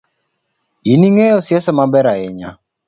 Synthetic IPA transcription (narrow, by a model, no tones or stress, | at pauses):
iniŋɛjɔsjɛsamabɛɾaɛɲa̰